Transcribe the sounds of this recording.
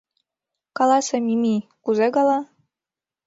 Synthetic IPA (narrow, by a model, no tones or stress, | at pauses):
kɑlɑsĕmimikuzekɑlɑ